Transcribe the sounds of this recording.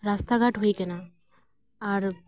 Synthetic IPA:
ɾast̪aɡaʈɦoikena | aɾ

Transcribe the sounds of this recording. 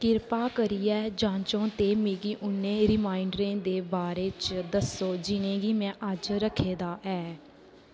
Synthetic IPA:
kɪɾpaːkəɾiːɛːd͡ʒãːt͡ʃõːt̪eːmeːɡiːʔʊnːẽːɾɪmaːɪɳɖɾẽːd̪eːbaːɾeːt͡ʃd̪əsoːd͡ʒɪnẽːɡiːmɛ̃ːʔəd͡ʒɾəkʰeːd̪aːʔɛː

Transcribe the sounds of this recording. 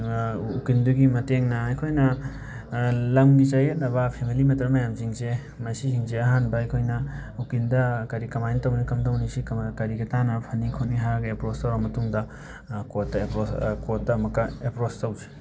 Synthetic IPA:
ukinduɡimɐteŋnɐɐjkʰojnɐ | lɐmɡit͡ʃɐjetnɐβɐpʰemilimɐtɾɐmɐjamziŋse | mɐsisiŋseɐɦanbɐɐjkʰojnɐ | ukindɐkɐɾikɐmajntɐwnikɐmdɐwnisikkɐɾiɡɐtanɐpʰɐnikʰotniɦaɾɐɡɐepɾostɐwɾamɐtuŋdɐ | kotːɐepɾoskotːɐmɐkːɐepɾostɐwd͡ʒe̥

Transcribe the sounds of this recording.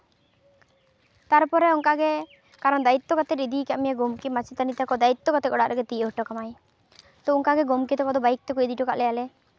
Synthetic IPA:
t̪aɾpɔɾɛɔŋkaɡɛ | kaɾɔnd̪ait̪ːɔkat̪ɛɾid̪ikaʔmijaɡomkimat͡ʃit̪anit̪akɔd̪ait̪ːɔkat̪ɛkɔɽaʔɾɛɡɛt̪iɦɔʈɔkamaj | t̪ɔuŋkaɡɛɡomkit̪ɔkɔd̪ɔbaik̚t̪ɔkojd̪iʈɔkaʔlɛjalɛ

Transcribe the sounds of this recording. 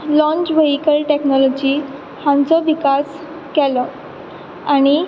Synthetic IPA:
lɔ̃ɲt͡ɕʋeɦikəlʈeknɔlɔd͡ʑiː | hãnt͡sɔʋikas | kɛlɔ | aɽ̃i

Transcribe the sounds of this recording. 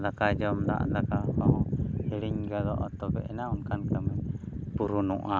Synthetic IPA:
d̪akad͡ʒɔmd̪a̰ʔd̪akapaɦɔhiliɲɡad̪ɔʔɔt̪ɔbɛʔɛnaunkankamɛpuɾunṵʔa

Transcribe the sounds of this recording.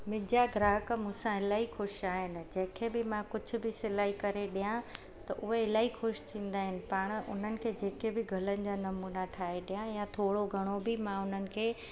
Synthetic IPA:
mɪ̃d͡ʑaɡɾaːɦəkmũːsãɦɪlaːixʊʃaːɦɪnɪ̆d͡ʑɐ̃ɦɪ̃kʰebɪmãkʊd͡ʑʱʊ̆bɪsɪlaːɦikɐɾeɗijã | t̪ɐʔʊɦeɦɪlaːixʊʃt̪ʰĩːn̆d̪aːɦɪnɪ̆pɐːɽ̃ʊ̰n̤ənɪ̆kʰeːd͡ʑeːkebɪɡʱɐlənɪ̆d͡ʑaːnɐmuːnaʈʰaːɦeɗijãjãt̪ʰoːɽoɡʱɐɽ̃obɪmãʊn̤ənɪ̆kʰeː

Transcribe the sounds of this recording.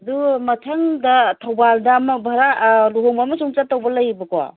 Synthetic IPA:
ɐdumɐtʰɐŋdɐtʰɐwbaldɐmɐbʱɐɾaluɦoŋbamɐsuŋt͡ʃatːɐwbɐlɐjbɐkoa̰

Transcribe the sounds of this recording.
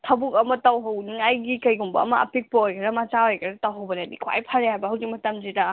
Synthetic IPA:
tʰɐbukɐmɐtɐwɦɐwniŋajɡikɐjɡumbɐ̰ːmɐʔɐ̰pik̚pɐojkʰɐɾɐmat͡ʃaojkʰɐɾɐtɐwɦɐwbɐnɐdḭkʰa̰jpʰɐɾeɦajbɐɦɐwzik̚mɐtɐmzida

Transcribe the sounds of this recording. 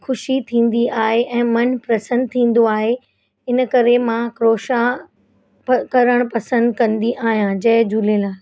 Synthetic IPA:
xʰʊʃit̪ʰĩːn̆d̪iaːɦeʔɛ̃ːmɐnpɾɐsə̃nd̪̚t̪ʰĩːn̆d̪oaːɦe | ɪnkɐɾemãkɾoːʃã | pkɐɾəɽ̃pɐsə̃nd̪kɐ̃nd̪iʔaːɦijãd͡ʑɐɦɪd͡ʑʱulelaː

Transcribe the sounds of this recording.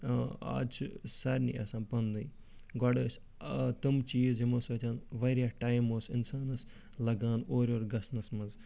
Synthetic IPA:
a̰ːt͡ʃʰsɐɾʲnḭɐ̰sãːnpɐnd̪ɐj | ɡɔɽɐːsʲ | t̪ɨmt͡ʃiːzimoːsoːt̪ʰʲãːnʋɐɾʲjaːʈaːjmoːsɪnsaːnɐs | lɐɡãːnd̪oːɾʲoːɾɡɐsnɐsmɐz

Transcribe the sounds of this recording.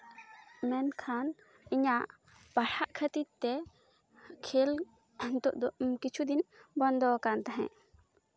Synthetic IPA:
mɛnkʰan | iɲaʔ | paʈʰaʔkʰət̪it̪̚t̪ɛ | kʰel | t̪ɔʔd̪ɔmkit͡ʃʰud̪inbɔnd̪ɔkant̪aɦɛ̰̃

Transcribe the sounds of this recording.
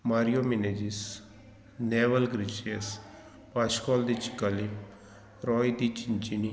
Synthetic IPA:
maːɾijoːmineːd͡ʒis | neːʋəlɡɾɪt͡ʃes | paːʃkɔːld̪it͡ʃɪ̥kːaːli | ɾɔːjd̪it͡ʃɪnt͡ʃini

